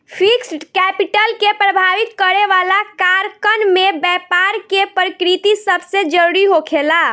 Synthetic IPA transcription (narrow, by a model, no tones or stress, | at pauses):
pʰiksʈkɛpiʈəlkepɾəbʱaʋit̪kəɾeʋalakaɾkənmebɛpaɾkepɾəkɾit̪isəbʱsed͡ʒəɾuɾiɦokʰela